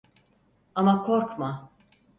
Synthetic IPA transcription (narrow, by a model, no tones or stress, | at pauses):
amakʰoɾkma